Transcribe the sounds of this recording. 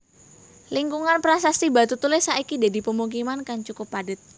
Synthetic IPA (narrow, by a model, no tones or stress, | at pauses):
liŋkuŋanpɾasasibat̪ut̪ulɪsaʔikid̪a̤di̤pəmuk̬imankaŋt͡ʃukʊpːadət̪̚